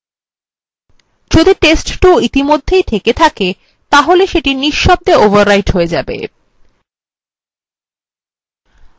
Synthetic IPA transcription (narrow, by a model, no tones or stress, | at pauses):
d͡ʑod̪iʈesʈʈoit̪imod̪ʱːejt̪ʰeket̪ʰake | t̪aɦoleʃeʈiniʃːɔb̚d̪eovaɾːajʈɦoed͡ʑabḛ